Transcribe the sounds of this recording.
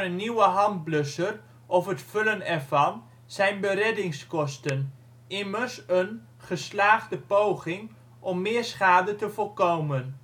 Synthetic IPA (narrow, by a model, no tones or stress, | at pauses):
ənːiwəɦɑnd̚blɵsər | ʔɔfɦətfɵlənɛɹvɑn | z̥ɛjnbəɾɛdɪŋskɔstən | ɪməɹsən | χəslaːχdəpowχɪŋ | ʔɔmːɪːɹsχaːdətəvɔlˠkowmən